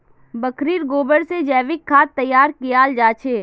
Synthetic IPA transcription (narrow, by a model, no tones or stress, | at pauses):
bəkʰɾiːɾɡoːbəɽsed͡ʒɛːʋɪkʰːaːt̪ːɐjːaːɾkijaːld͡ʒaːt͡ʃʰeː